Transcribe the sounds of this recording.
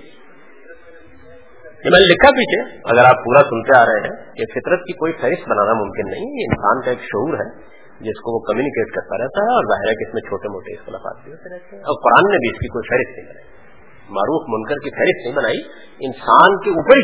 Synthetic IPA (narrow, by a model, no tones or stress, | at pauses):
jemɛ̃ːnlɪkʰːapiːt͡ʃʰeɐ̰ɡəɾaːpːuːɾasʊnt̪eaːɾɐɦeɦɛ̃kefɪt̪ɾət̪̚kikoːifɛːɾɪst̪̚bɐnaːnamʊ̃mkɪnːɐɦĩɦɛjeɪnsaːnkaeːkʃʊɦuːɾɦɛ | d͡ʒɪskoʋokɐmjuːnɪkeːʈkɐɾt̪aɾɛɦt̪aɦɛɔːɾzaːɦɪɾɛkeɪsmẽt͡ʃʰoːʈemoːʈḛːskonafa̰ːtbiɦoːt̪eɾɛɦt̪eɦɛ̃ɔːɾqʊɾaːnːebʱiɪskikoːifʰɛːɾɪst̪nəɦĩbɐnaːi | maːɾuːfmʊnkəɾkifɛːɾɪst̪nɐɦĩbɐnaːi | ɪnsaːnkeuːpəɾi